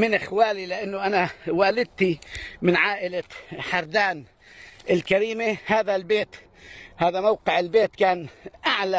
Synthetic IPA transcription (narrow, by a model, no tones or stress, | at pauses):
mɪnʔɪxwaːlilɪʔanːʊʔanawaːlɪd̪̚t̪imɪnʕaːʔɪlaħɑɾˤd̪aːn | ʔɪlkaɾiːmehaːðalbeːt̪ | haːðamawqɪʕɪlbeːt̪kaːnʔaʕla